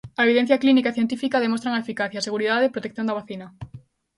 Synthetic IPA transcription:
aeβiðen̟θjaklinikaeθjent̪ifikaðemõst̪ɾaŋaefikaθjaːseɣuɾiðaðeːpɾot̪ekθjõnd̪aβaθinɐ

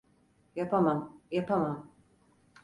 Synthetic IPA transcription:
japʰamamjapʰamam

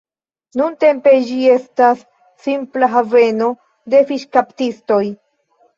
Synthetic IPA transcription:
nunte̞mpe̞d͡ʒie̞stasː | implaɦave̞no̞ | de̞fiʃkaptisto̞j

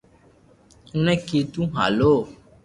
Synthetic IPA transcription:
ŋũnɛ̃ket̪ũɦa̰lo

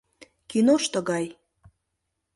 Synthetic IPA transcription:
kinoʃt̪ə̆ɣɑj

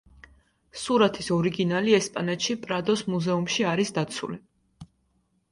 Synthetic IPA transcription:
suɾat̪ʰisɔɾiɡinaliɛspʼanɛt̪ʃipʼɾad̪ɔsmuzɛumʃiaɾisd̪at̪sʰṵli

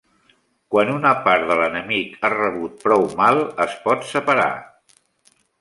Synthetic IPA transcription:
kwanunəpaɾðələnəmikarəβut̪̚pɾɔwmalˠəspɔt̪səpəɾa̰

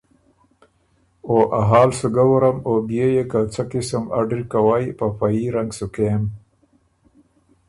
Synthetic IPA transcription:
oːʔaɦɑːlsuɡawuɾamobijejekat͡sakɪsəma̰ɖɾkawaːjpapaiɾaŋɡsukem

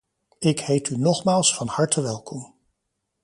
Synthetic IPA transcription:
ɪkhejtynɔχmaːlˠsfɑnhɑɹtəʋɛlˠkɔm

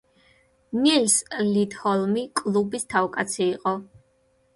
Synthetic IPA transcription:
nilslid̪hɔlˠmikʼlˠubist̪ʰavkʼat̪sʰiːqʼɔ

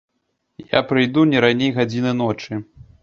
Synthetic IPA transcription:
ja̰pɾɨjd̪unʲɛɾanʲejɣad͡zʲinɨn̪ɔt͡ʂɨ

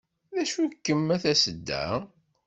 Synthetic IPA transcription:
ðæʃukːəmːæθæsəd̪ːæ̰

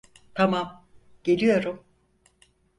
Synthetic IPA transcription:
t̪ʰamam | ɟ̥e̞lʲijo̞ɾum

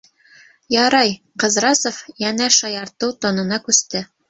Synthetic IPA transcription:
jɑɾɑj | qɤ̆zɾɑsofjænæʃɑjɑɾt̪ɤwt̪ŏnɤ̆nɑkʉst̪ɘ

